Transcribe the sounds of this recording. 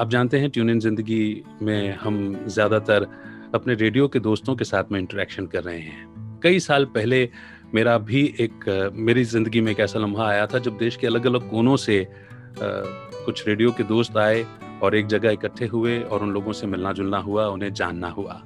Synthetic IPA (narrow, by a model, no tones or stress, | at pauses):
aːp̚d͡ʒaːnt̪eɦɛ̃ʈjuːnɪnzɪ̃nd̪əɡimẽhɐmzjaːd̪at̪əɾ | ɐpneɾeːɖijoked̪oːst̪õkesaːt̪ʰmẽɪ̃ɳʈəɾɛːkʃənkɐɾːɐɦeɦɛ̃ːkɐisaːlpɛɦle | meːɾabʱiʔeːkmeːɾizɪ̃nd̪əɡimẽeːkɛːsalɐ̃mbʱaaːjat̪ʰad͡ʒɐb̚d̪eːʃkeɐləɡɐləɡ̚koːnõse | kʊt͡ʃʰɾeːɖijoked̪oːst̪aːe | ɔːɾeːk̚d͡ʒɐɡəɪkəʈʰːeɦʊeɔːɾʊnloːɡõsemɪlnad͡ʒʊlnaɦuaʊnɦẽd͡ʒa̰ːnːaɦua̰ː